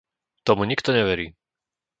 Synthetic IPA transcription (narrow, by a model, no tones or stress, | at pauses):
t̪ɔmuɲikt̪ɔɲɛʋɛɾiː